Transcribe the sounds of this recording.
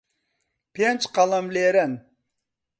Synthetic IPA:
pʰent͡ʃqɑlˠamleɾɛn

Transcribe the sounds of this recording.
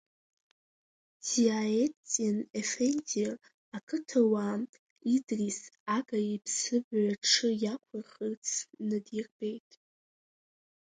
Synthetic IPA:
diaet͡sʼinefendir | akʰɨtʰawa | idrisaɡaipʰsɨbɥaʈ͡ʂʰɨjakʷʰarχərt͡sʰnɨdirbe̞jtʼ

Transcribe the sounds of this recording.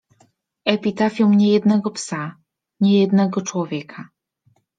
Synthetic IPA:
ɛpʲit̪afʲjɔwɲɛjɛd̪nɛɡɔpsa | ɲɛjɛd̪nɛɡɔt͡ʂwɔvʲjɛkʰa

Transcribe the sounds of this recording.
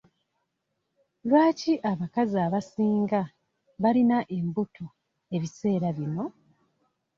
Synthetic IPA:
lwaːciʔaβakazaːβasiːŋɡa | βalinaʔe̞mbutʰu | e̞βise̞ːɾaβino̞

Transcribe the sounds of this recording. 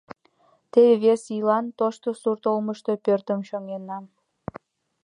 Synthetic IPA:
t̪eβeβesilɑnt̪oʃt̪osurt̪olməʃt̪o̽pørt̪ə̆mʃoŋenːɑ

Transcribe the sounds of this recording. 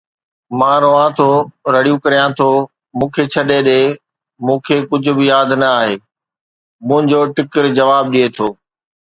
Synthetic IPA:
mãːɾoãt̪ʰoɾɐɽijũkɐɾijãt̪ʰoː | mũːkʰet͡ɕʰɐɗeɗeː | mũːkʰeːkʊd͡ʑʱʊ̆bɪjaːd̪ʱnɐaːɦeː | mũɦɪ̃ɲd͡ʑoːʈɪkəɾd͡ʑɐʋaːb̚ɗiet̪ʰoː

